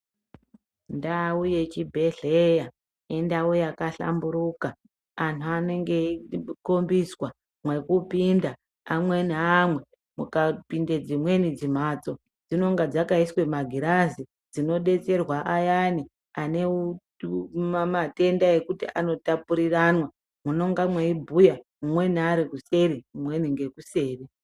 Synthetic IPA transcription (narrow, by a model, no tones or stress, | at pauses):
ndauje̞t͡ʃibʱe̞ɮe̞ja | endaujakaɬa̰mbuɾukaː | ntʰuane̞ŋɡe̞ikombiswa | mwe̞kupindaː | mwe̞namwe̞ | mukapinde̞d͡zimwe̞nid͡zim̤at͡so̞ | d͡zino̞ŋɡad͡zakaiswe̞maɡʱiɾazi | d͡zino̞ɗe̞t͡se̞rwaʔajani | aneu | mamate̞ndaje̞kutḭʔano̞tapuɾiranwa | muno̞ŋɡamweibʱujamumwe̞niaɾikuse̞ɾimumwe̞niŋɡe̞kuse̞ːri